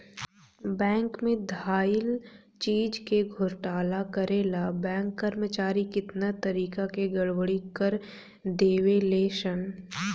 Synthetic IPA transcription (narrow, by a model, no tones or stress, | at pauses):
bɛ̃ːŋkmẽd̪ʱaːjɪl | t͡ʃiːd͡ʒkeɡʱʊɾʈaːlakəɾeːlabɛ̃ːŋkːəɾmət͡ʃaːɾikɪt̪nat̪ɐɾiːkakeɡɐɽʋəɽikəɾ | d̪eːweleːʃən